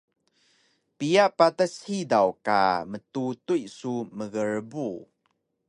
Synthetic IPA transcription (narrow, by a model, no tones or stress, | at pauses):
pijaʔpatashidawka̰mətutujsuməɣəɹbu